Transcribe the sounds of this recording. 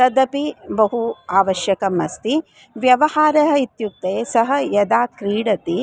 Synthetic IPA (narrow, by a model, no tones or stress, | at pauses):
t̪ɐd̪ɐpibɐɦuaːʋɐʃjɐkɐmɐst̪i | ʋjɐʋɐhaːɾɐɦɐit̪juk̚t̪eːsɐɦɐ̆jɐd̪aːkɾiːɽɐt̪i